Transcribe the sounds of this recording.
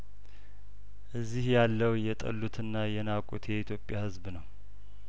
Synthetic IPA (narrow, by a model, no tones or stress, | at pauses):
ʔɨzːihjalːəwjɛt̪ʼə̰lːut̪ʰɨnːajɛnakʼṵt̪ʰjɛit̪ʰjo̞pʼːjahɨzbnəw